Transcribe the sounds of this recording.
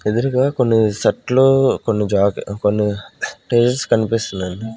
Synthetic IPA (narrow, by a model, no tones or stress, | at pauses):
ed̪ɐɾiɡaːkonːisɐʈloːkonːid͡ʒaːkkonːiʈeːd͡ʒɐskɐnipist̪unːɐni